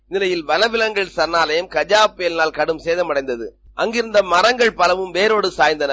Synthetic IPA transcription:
nɪlɐjɪlʋɐnɐʋɪlɐŋɡɐɭsɐnːaːlɐjɐmkɐd͡ʒaːpːɪjɐlnaːlkɐɽɯmseːðɐmɐɽɐɪnd̪ɐðɯ | ʔɐŋɡɪɾɯnd̪ɐmɐɾɐŋɡɐɭpɐlɐʋɯmʋeːɾoːɽɯsaːjnd̪ɐnɐ

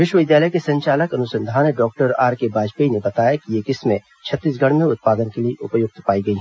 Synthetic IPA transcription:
ʋɪʃwəʋɪd̪jaːləjkesɐ̃ɲt͡ʃaːləkɐnʊsɐ̃nd̪ʱaːneɖɔːk̚ʈəɾa̰ːɾkebaːd͡ʒpeinebɐt̪aːjakiekɪsmẽ | t͡ʃʰɐt̪ːiːs̬ɡʱɐɽ̤̃mẽʊt̪̚paːd̪ənkelieʔʊpjoːɡ̚t̪paːiɡɐiɦɛ

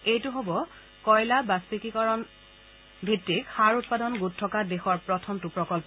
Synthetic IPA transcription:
ejtʊɦobɔ | kɔjlabaspikikɔɹɔn | bʱitɹikxaɹutpadɔnɡutʰːɔkadexɔɹpɹɔtʰɔmtupɹɔkɔlpɔ

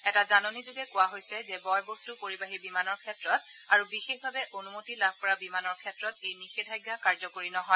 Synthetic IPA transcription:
ɛtazanonizuɡɛkʊwaɦojsɛzɛbɔjbostupoɹibaɦibimanɔɹkʰɛtɹɔt | aɹubixexbʱabɛʔonumotilab̚ʱpɔɹabimanɔɹkʰɛtɹɔtejnixedʱajɡːakaɹzɔkoɹinɔɦɔj

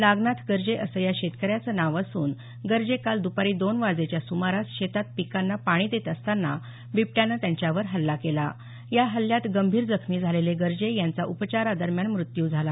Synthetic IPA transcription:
laɡnat̪ɡəɾd͡ʑeʔəsəjaɕet̪kəɾjat͡sənaʋəsuːn | ɡəɾd͡ʑekald̪upaɾiːd̪onʋad͡zet͡ɕjasumaɾasɕet̪at̪̚pikanːapaɽ̃iːd̪et̪əst̪anːa | bip̚ʈjanːat̪jaɲt͡ɕjaʋəɾɦəlːakela̰ | jaɦəljat̪ɡəmbʱiːɾd͡zəkʰmiːd͡zʱaleleɡəɾd͡ʑejant͡saʔupət͡ɕaɾad̪əɾmjanmɾut̪juːd͡zʱala

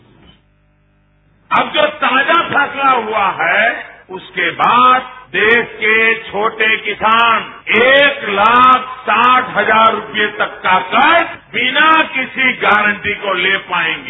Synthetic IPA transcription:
ɐbd͡ʒoːt̪ãːd͡ʒapʰɛːslaɦuaɦɛʊskebaːd̪̚d̪eːʃket͡ʃʰoːʈekɪsaːneːklaːk̚ʰsaːʈʰɦɐzaːɾːʊpijet̪ɐkːakɐɾbɪnakɪsiɡaːɾə̃ɳʈikolepaːẽːŋɡeː

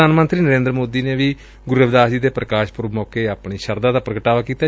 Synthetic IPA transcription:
aːnmənt̪ɾiːnəɾẽːnd̪ɾmoːd̪iːneːʋiː | ɡʊɾəʋd̪aːd͡ʒiːd̪eːpɾəkaːʃpʊɾmɔːkeːaːpɳiːʃəɾd̪aːd̪aːpɾəɡəʈaːʋaːkiːt̪aː

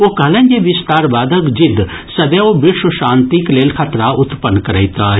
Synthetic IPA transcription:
okɐɦlẽnd͡ʒeʋɪst̪aːɾbaːd̪ʱəkd͡ʒɪd̪ʱ | sɐd̪eobɪɾʃəʃãːnt̪ikleːlkʰɐt̪ɾaʔʊt̪pənkɐɾəit̪a

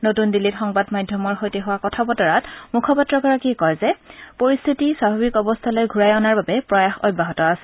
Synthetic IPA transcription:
notundilːitxɔŋbadmajdʱjɔmɔɹxojtɛɦʊwakɔtʰabɔtɔɹatmukʰɔpatːɹɔɡɔɹakikɔjzɛpoɹist̪ʰitiswabʱabikɔbɔst̪ʰalojɡʱuɹajɔnaɹbabɛpɹɔjaxɔ̰jbʱːaɦɔtɔasɛ̥

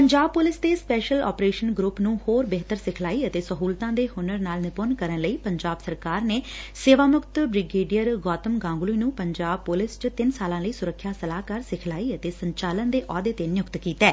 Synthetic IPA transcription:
pəɲd͡ʒaːb̚pʊlɪsd̪eːspɛːʃəlɔ̰ːpɾeːʃənɡɾʊpnũːhoːɾbeɦt̪əɾsɪkʰlaːiːət̪eːsəɦuːlt̪ãːd̪eːhʊnəɾnaːlnɪponkəɾənləiːpəɲd͡ʒaːbsəɾkaːɾneːseːʋaːmʊkt̪bɾɪɡeːɖijəɾɡɔːt̪əmɡãːŋɡluiːnũːpəɲd͡ʒaːb̚pʊlɪst͡ʃət̪ɪnsaːlãːləiːsʊɾəkʰːjaːsəlaːkəɾsɪkʰlaːiːət̪eːsəɲt͡ʃaːlənd̪eːʔɔːd̪eːt̪eːnjʊkt̪kiːt̪ːɛː

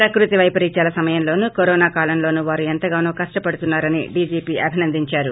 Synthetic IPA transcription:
pɾɐkɾut̪iʋɐjpɐɾiːɲt͡ʃaːlɐsɐmɐjɐmlo̞ːnuːkoɾɔːnaːkaːlɐnlo̞ːnuːʋaːɾuent̪ɐɡaːnuːkɐʂʈɐpɐɽut̪unːaːɾɐnḭɖiːd͡ʒiːpiːʔɐbʱinɐnd̪iɲt͡ʃaːɾu

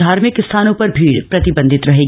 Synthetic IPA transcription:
aːɾmɪkɪst̪ʰaːnõpɐɾbʱiːɽpɾɐt̪ɪbə̃nd̪ʱɪt̪ɾɐɦeːɡ

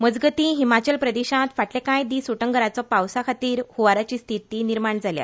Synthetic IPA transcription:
məd͡zɡət̪ĩɦimat͡ɕəlpɾəd̪eɕãt̪faʈlekãjd̪iːsuʈəŋɡəɾat͡sɔpawsakʰat̪iːɾhuʋaɾat͡ɕiːst̪ʰit̪iːniɾmaɳd͡zʱalja̰

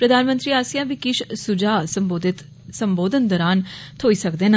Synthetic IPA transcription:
pɾəd̪aːnmə̃nt̪ɾiːaːsijãːbikɪʃsʊd͡ʒaːsd̪t̪ | səmboːd̪ənd̪ɔːɾaːnt̪ʰoːiːsəkd̪eːna

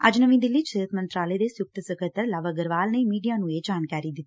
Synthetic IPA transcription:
əd͡ʒnəʋĩːd̪ɪlːiːt͡ʃəət̪mənt̪ɾaːleːd̪eːsjʊk̚t̪səkʰət̪əɾlaʋəɡəɾʋaːlneːmiːɖijaːnũːeːd͡ʒaːnkaːɾiːd̪ɪt̪ː

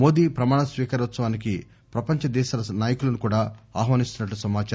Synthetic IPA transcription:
o̞ːd̪iːpɾɐmaːɳɐsʋiːkɐɾt̪sɐʋaːniki | pɾɐpɐɲt͡ʃɐd̪ɛːʃɐlɐnaːjɐkulɐnukuːɽaːaːɦʋaːnist̪unɐʈːusɐmaːt͡ʃa

